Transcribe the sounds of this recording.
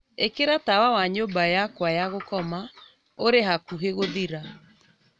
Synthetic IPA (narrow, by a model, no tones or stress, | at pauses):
ekeɾatawawaɲoːmbajakwajaɣokɔma | oɾeɦakuɦeɣoðiɾa